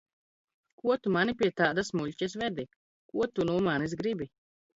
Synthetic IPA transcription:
kuɔt̪umanipiɛt̪aːd̪asmuʎʲcʲɛs̬ʋɛd̪i | kuɔt̪unuːmaːnisɡɾibi

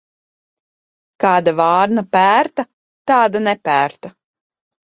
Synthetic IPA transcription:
kɑːd̪avɑːɾnapæːɾt̪a | t̪aːd̪anɛpæːɾt̪a

